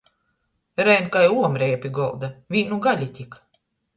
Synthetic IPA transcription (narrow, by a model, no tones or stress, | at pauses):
ɾɛjnkajuɔmɾɛjapʲiɡɔlˠd̪avʲiːnuɡalʲit̪ʲik